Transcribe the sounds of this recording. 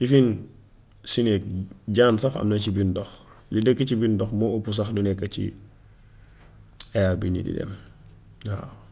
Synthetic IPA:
ifin | sinek̚ɟaːnsafɐ̰mnɐt͡ʃibindɔx | lidəkːɐcibindɔxmoopus̬ɐxdunɛkːɐcḭ | ejabinḭdḭdɛ̰m | ha

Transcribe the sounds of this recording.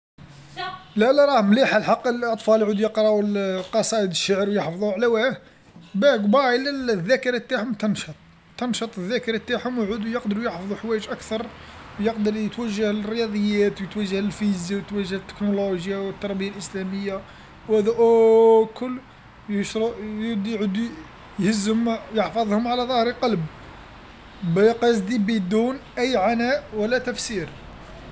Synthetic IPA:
lælæɾˤɑhmliħalħɑqːəlʔɑt̪ˤfɑljʕud̪jəqɾˤɑʔwlqɑsˤɑʔəd̪əʃːaʕɾwjəħfɑðˤuʕlæwæh | bæɡbɑʕilælðːækəɾat̪ːaħʊmt̪ɑnʃət̪ˤ | t̪ːɑnʃət̪ˤəðːækəɾɑt̪ːaħhʊmwʕud̪ujəqd̪əɾujəħfðˤuħwæjəʒʔækt̪ɑɾˤ | wjəqd̪əɾˤət̪wæʒːəhəlrːjɑd̪ˤəjːæt̪wjət̪wæʒːəhlfizjawjət̪wæʒːəht̪ːə̥knoloʒjawət̪ːɑɾˤbəjalʔəslæməjːa | whæd̪æʔokʊlː | jəʃɾˤɑʔjd̪ʕd̪u | jhəzːəmjəħfɑðˤhʊmʕalæðˤɑhɾqɑlb | bæqɑsd̪ibid̪ːunʔæjːʕanæʔwəlːæt̪æfsiɾ

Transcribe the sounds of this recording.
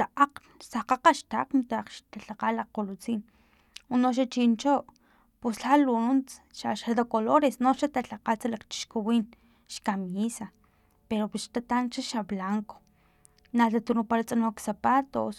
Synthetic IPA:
t̪aʔaq͡χ | saqaqaʃt̪aaqnt̪aqʃt̪aɬaqalaqolot͡siːn | unoʃ̬at͡ʃint͡ʃoʔ | pusɬaluunt͡sʃaʃad̪akoloɾesnoʃat̪aɬaqat͡salakt͡ʃi̥ʃkuwiːn | ʃkamiːsa | peɾopisʃt̪at̪ant͡ʃaʃablaŋko̥ | nat̪at̪unupaɾat͡sʼanoksapat̪o̰s

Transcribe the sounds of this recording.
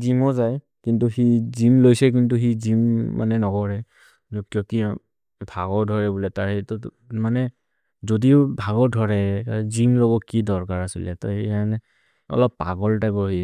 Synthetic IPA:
zimɔzaj | kintuxizimlojsɛk̬intuxizimːa̰nɛnɔɡɔɹɛ | ɔkjɔki | bʱaɡɔɹdʱɔɹɛbulɛtaɹɛtɔ | manɛ | zodiʊbʱaɡɔɹdʱɔɹɛzimlɔɡɔkːidɔɹkaɹasilɛ̰tɔ̰anɛ | ɔ̰lɔpːa̰ɡɔltajbɔɦi

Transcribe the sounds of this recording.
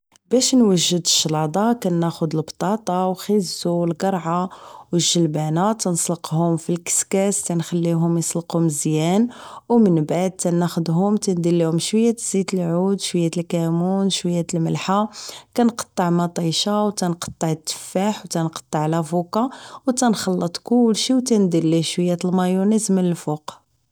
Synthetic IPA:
bæʃnwəʒːəd̪əʃːlɑd̪ˤɑkænːæxʊd̪əlbt̪ˤɑt̪ˤɑwxəzːulɡɑɾˤʕawəʒːəlbænat̪ənsˤləqhʊmfilkə̥skæst̪ænxælːiɦʊmjsˤləqhʊmzjænwmənbaʕd̪̚t̪ænæxʊd̪ɦʊmt̪ænd̪ilːihʊmʃwəjːæt̪z̥it̪əlʕud̪ʃwəjːæt̪əlkæmunʃwəjːæt̪əlməlħakænqɑ̥t̪ˤːɑʕmɑt̪ˤɑjʃawt̪ænqɑ̥t̪ˤːɑʕət̪ːə̥fːaħwt̪ænqɑ̥t̪ˤːɑʕlæfukɑwt̪ænxɑlːət̪ˤkʊlʃiwt̪ænd̪əlːiʃwəjːæt̪əlmɑjunizmnəlfuq

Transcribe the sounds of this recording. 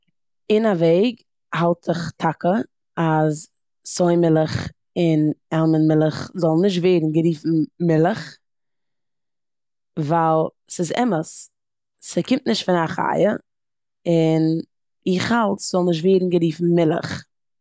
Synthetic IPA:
ɪnaveɪɡ | halˠtɪχtʰakə | az | soɪmɪlˠəχ | ɪnɛlˠmənmɪlˠəχzɔlˠnɪʃ̬tveɪdn̩ɡəɾiːfn̩mɪlˠəχ | valˠ | sɪzɛ̰məs | sɪkɪmtnɪʃtfɪnaχa̰jə | ɪn | ɪχhalˠtz̥ɔlˠnɪʃ̬tveːdn̩ɡəɾiːfn̩mɪlˠə̰χ

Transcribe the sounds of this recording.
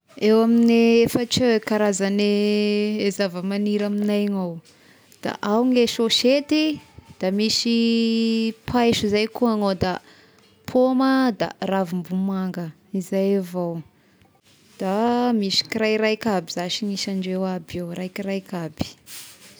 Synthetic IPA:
ewamineefəʈ͡ʂikaɾazane | ezavəmaniɾaminajŋaw | d̪̥a̰ʔawŋeʃoʃet̪id̪̥amisi | pʰajʃuzajkuaŋowd̪a | pʰoməd̪a̰ravimbumaŋɡə | izajavaw | d̪̥amisi̥kiɾajɾajkabizaʃiŋiʃaɳɖ͡ʐewabewɾajkiɾajkab̥i̥

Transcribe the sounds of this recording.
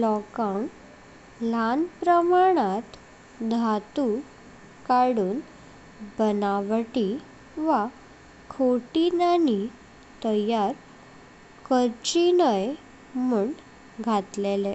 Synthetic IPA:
lɔkaɳ | lanpɾəmaɽ̃at̪ | d̪ʱat̪u | kaɽuːn | bənaʋʈi | ʋa | kʰoʈinani | t̪əjaɾ | kəɾt͡ɕinəj | muɳ | ɡʱat̪lele

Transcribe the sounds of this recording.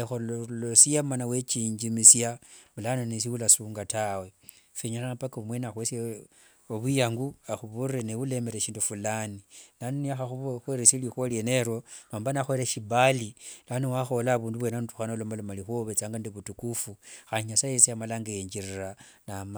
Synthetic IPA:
xoolosijamanawet͡ʃiɲd͡ʒimisjamulanonis̬iwulasuːŋɡatawe | feɲananapakaumwenaxwese | oβwijaŋɡuaxuβurenewule̞meɾeʃiːndufulaninanoniaxaxuxweɾesilixwolieneɾonoːmbanaxweɾeʃibalilanowaxo̞laβuːnduβwenanutu̥xanolomalomalixoβet͡saŋɡandiβutukufuxaniɲasajesiamalaŋɡajeɲd͡ʒirira | nam

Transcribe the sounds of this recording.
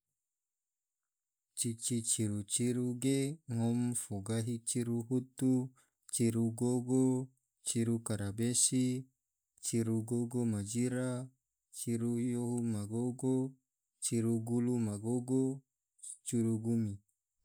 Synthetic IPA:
t͡ʃit͡ʃit͡ʃiɾut͡ʃiɾuɡeŋɔmfoɡaɦit͡ʃiɾuɦut̪u | t͡ʃiɾuɡoɡo | t͡ʃiɾukaɾabesi | t͡ʃiɾuɡoɡomad͡ʒiɾa | t͡ʃiɾujoɦumaɡoɡo | t͡ʃiɾuɡulumaɡoɡo | t͡ʃiɾuɡumi

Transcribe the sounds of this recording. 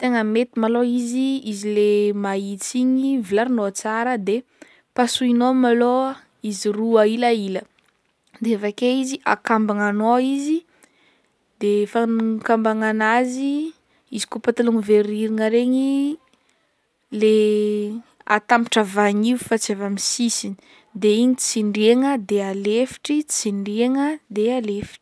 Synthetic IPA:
t̪eŋəmet̪imaloiziizilemait͡siɲivilaɾinoat͡saɾəd̪e | pasuinomalo | iziruailailə | d̪eevakeiziʔa̰kambaŋanoizi | d̪efankambaŋanazi | izi̥kopat̪aluŋiveɾiɾiŋəɾeɲi | le | a̰t̪ampiʈ͡ʂavaɲifat͡siavamisisini̥ | d̪eiɲit͡siɳɖ͡ʐeŋəd̪ealefi̥ʈ͡ʂit͡siɳɖ͡ʐeŋəd̪ealefi̥ʈ͡ʂi̥

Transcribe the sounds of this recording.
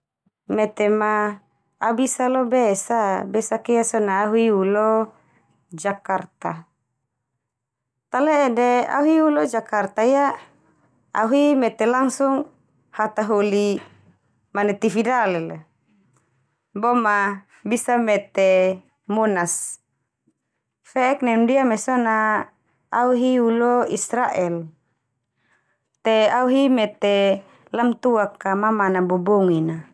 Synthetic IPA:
mɛt̪emaː | bisalɔbesabɛsakijasɔnaːɦuiulɔ | d͡ʒakart̪a | t̪aleːdea̰ɦuiulɔd͡ʒakart̪aja | a̰ɦuimɛt̪ɛlaŋsuŋ | hat̪aɦoli | manɛt̪ifidalɛl | bɔma | bisamɛt̪e | mɔnas | fɛɛknɛnudiamɛsɔnaː | uɦiulɔisɾaʔɛl | t̪eauɦimɛt̪e | lamt̪uakːamamanabɔbɔŋina

